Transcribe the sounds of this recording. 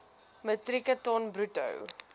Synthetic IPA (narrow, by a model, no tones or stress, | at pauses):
mətrikətɔnbrutə̰w